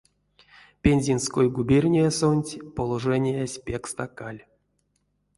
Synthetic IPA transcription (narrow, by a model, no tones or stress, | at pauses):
pʲenʲzʲinskojɡubʲerʲnʲijasonʲtʲpolˠoʐɛnʲijasʲpʲekst̪akalʲ